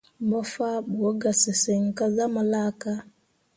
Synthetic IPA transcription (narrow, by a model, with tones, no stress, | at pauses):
bɔ˦fa˦bo˦ɡa˨si˨se˨ŋ̩˨ka˦za˦ma˨la˦ka˦